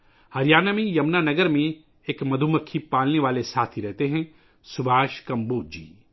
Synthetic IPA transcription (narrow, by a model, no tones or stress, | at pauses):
hɐɾijaːnamẽjɐmnanɐɡəɾmẽ | eːkmɐd̪ʱuməkʰːipaːlneʋaːlesaːt̪ʰiɾɛɦt̪eɦɛ̃ | sʊbʱaːʃkɐmbuːd͡ʒḭː